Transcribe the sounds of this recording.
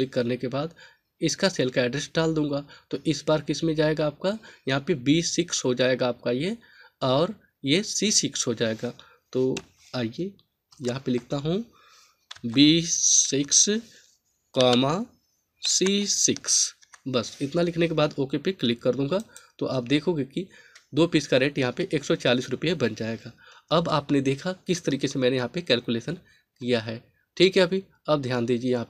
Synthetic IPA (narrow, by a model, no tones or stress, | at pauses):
lɪkːɐɾnekebaːd̪ | ɪskaseːlkaɛːɖɾesɖaːld̪ũːŋɡaːt̪oʔɪsbaːɾkɪsmẽd͡ʒaːeːɡaːp̚kajɐɦãpebiːsɪksɦod͡ʒaːeːɡaːp̚kaje | ɔːɾ | jesiːsɪksɦod͡ʒaːeːɡaː | t̪oː | aːije | jɐɦãpelɪk̚ʰt̪aɦũ | biːsɪks | kaːma | siːsɪks | bɐsɪt̪nalɪkʰnekebaːd̪oːkepeklɪkːɐɾd̪ũːŋɡat̪oʔaːp̚d̪eːkʰoːɡeki | d̪oːpiskaɾeːʈjɐɦãpeʔeːksɔt͡ʃaːliːsɾʊpijebɐnd͡ʒaːeɡaː | ɐbaːpned̪eːkʰakɪst̪ɐɾiːkesemɛ̃ːnejɐɦãpekɛːlkuleːʃən | kijaɦɛː | ʈʰiːkɦɛɐbʱi | ɐb̚d̪ʱjaːnd̪iːd͡ʒiejɐɦãːp